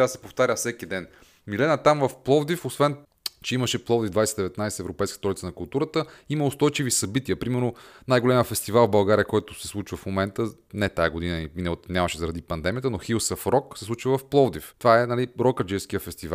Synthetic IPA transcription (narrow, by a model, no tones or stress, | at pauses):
asɛ̥poft̪aɾʲəfsɛkid̪ɛn | milɛnət̪amvɐfplˠɔvd̪ifosvɛn | t͡ʃɛiməʃɛplˠɔvd̪ivd̪vajsɛt̪id̪ɛvɛt̪najsɛɛvɾopɛjskə̥t̪ɾɔd̪it̪ənɐkʊlˠt̪uɾət̪əimɐʊst̪ɔjt͡ʃivisɐbit̪iəpɾimɛɾnonajɡolɛməfɛst̪ivalˠvbɐlˠɡaɾʲijəkɔjt̪ʊsɛslˠut͡ʃivəfmomɛnt̪ə | nɛt̪ajɐɡod̪inəiminɛot̪nʲamɐʃɛzɐɾɐd̪ipɐnd̪ɛmiət̪ənoxilˠsəfɾɔksɛslˠut͡ʃivvɐfplˠɔvd̪ift̪vaɛnɐliɾɔkəd͡ʒɛʃskijəfɛst̪iva̰